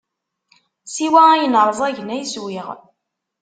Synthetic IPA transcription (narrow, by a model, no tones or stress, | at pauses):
siwæjənəɾˤzˤæʝnæjswiʁ